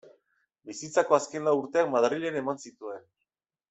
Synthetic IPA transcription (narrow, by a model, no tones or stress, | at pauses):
bisit͡sako̞aske̞nlauɾt̪e̞akmaðriʎene̞mansit̪ue̞n